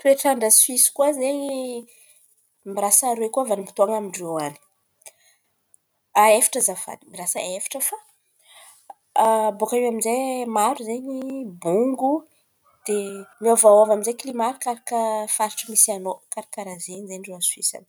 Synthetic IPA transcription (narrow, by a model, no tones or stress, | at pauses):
p̪ɾeʈ͡ʂaɳɖ͡ʐəswisi̥kuazeɲi | mirasaɾwekuavanimpi̥t̪oaŋamiɳɖ͡ʐoani̥ | aefḁʈ͡ʂəzava̰nimiɾasəefḁʈ͡ʂəfa | bokauaminzemaɾuzeɲibuŋɡu | d̪̥emiavawavaminzeklimaɾikaɾakəfaɾiʈ͡ʂəmisianokaɾakaɾazeɲzeɳɖ͡ʐoaswisa̰ni̥